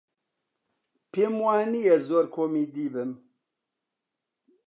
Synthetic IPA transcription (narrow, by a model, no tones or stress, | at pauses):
pʰeːmwaːnijɛzoːɾkʰoːmiːd̪iːbɨm